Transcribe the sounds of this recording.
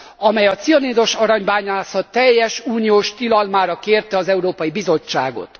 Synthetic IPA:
ɒmɛjɒt̪siɒneːd̪o̞ʃɒɾɒɲbaːɲaːsɒt̪ɛjːɛʃuːnijoːʃt̪ilɒlmaːɾɒkeːrt̪ɛɒzɛuɾoːpɒjibizo̞t͡ʃːa̰ːɡo̞̰t̪

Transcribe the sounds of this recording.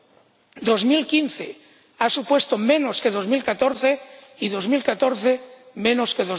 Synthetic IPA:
d̪ozmilkinθe | asupwe̞st̪omẽnoskeðozmilkat̪oɾθeiðo̞zmilkat̪o̞ɾθe | mẽ̞noskeðo

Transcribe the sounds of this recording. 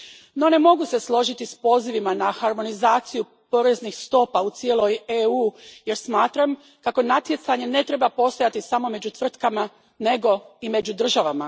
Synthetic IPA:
no̞ne̞mo̞ɡuse̞slˠo̞ʒit̪ispo̞ːziʋimanaxaɾmo̞nizaːt̪siju | po̞ɾe̞znixst̪o̞paut̪sie̞lo̞jeuːje̞ɾsmaːt̪ɾam | kako̞nat̪je̞t̪saɲe̞ne̞t̪ɾe̞bapo̞st̪o̞jat̪isamo̞me̞d͡ʑut̪ʋr̩t̪kama | ne̞ɡo̞ime̞d͡ʑud̪r̩ʒaʋama

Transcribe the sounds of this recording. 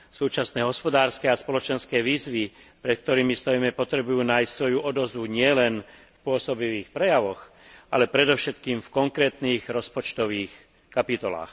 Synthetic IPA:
suːt͡ʃasnɛːɦɔspɔd̪aːɾskɛaspɔlɔt͡ʃɛnskɛːʋiːzʋi | pɾɛt̪̚k̚t̪ɔɾiːmist̪ɔjimɛpɔt̪ɾɛbujuːnaːjssʋɔjuʔɔd̪ɔzʋuɲɪɛlɛnfpʊɔsɔbiʋiːxpɾɛjaʋɔx | ʔalɛpɾɛd̪ɔʊʃɛt̪kiːmfkɔŋkɾɛːt̪niːɣɾɔspɔt͡ʃt̪ɔʋiːx | kapit̪ɔla̰ːx

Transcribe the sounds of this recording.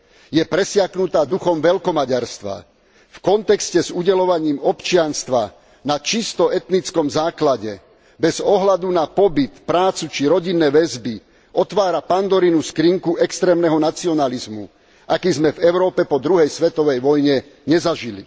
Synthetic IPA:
jɛpɾɛsɪaknut̪aːd̪uxɔmʋɛlkɔmaɟaɾst̪ʋa̰ | fkɔnt̪ɛkscɛzuɟɛlɔʋaɲiːmɔpt͡ʃɪanst̪ʋa | nat͡ʃist̪ɔɛt̪nit͡skɔmzaːklaɟɛ | bɛzɔɦlad̪unapɔbit̪pɾaːt͡sut͡ʃiɾɔɟinːɛːʋɛzbi | ɔt̪ʋaːɾapand̪ɔɾinuskɾiŋkuʔɛkst̪ɾɛːmnɛɦɔnat͡siɔnalizmṵ | ʔakizmɛvɛʊɾɔːpɛpɔd̪ɾuɦɛjsʋɛt̪ɔʋɛjʋɔjɲɛ | ɲɛzaʒilḭ

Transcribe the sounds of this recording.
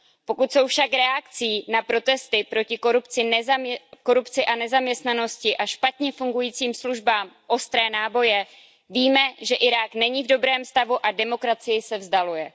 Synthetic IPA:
po̞kut̪so̞wfʃakɾɛakt͡siːnapɾo̞t̪ɛst̪ɪpɾo̞cɪkoɾupt͡sɪnko̞ɾupt͡sɪʔanɛzamɲɛst̪nano̞scɪʔaʃpat̪ɲɛfuŋɡujiːt͡siːmsluʒbaːmʔo̞st̪ɾɛːnaːbo̞jɛ | viːmɛʒɛʔɪɾaːknɛɲiːvdo̞bɾɛːmst̪avuʔadɛmo̞kɾat͡sɪjɪsɛvzdalujɛ

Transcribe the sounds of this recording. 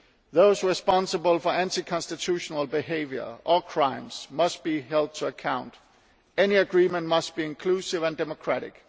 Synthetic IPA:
ðoʊsɹɪspɑ̃nsəbəlˠfɔæ̃ntikʰɑ̃nstitʰuʃonəlˠbɪɦeɪvjə̰˞ʔəkʰɹ̥ãɪ̃msmʌst̚b̥iɦɛlˠd̚tʰəəkʰãʊ̃nd̥ | eniəɡɹiːmə̃nmʌst̚b̥iɪ̃nkʰl̥uːsɪvæ̃ndɛmokʰɹ̥æɾɪk

